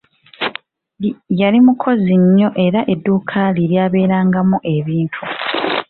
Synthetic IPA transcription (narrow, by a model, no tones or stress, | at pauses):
jalimukʰo̞ziɲːo̞ʔe̞ɾaʔe̞dːuːkʰaːliɾjaːβe̞ːɾaːŋɡamuʔe̞βiːntʰu